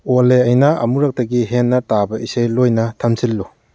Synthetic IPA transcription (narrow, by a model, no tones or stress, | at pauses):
oleɐjnɐɐ̰muɾak̚tɐɡiɦenːɐtabɐisajlojnɐtʰamsilːu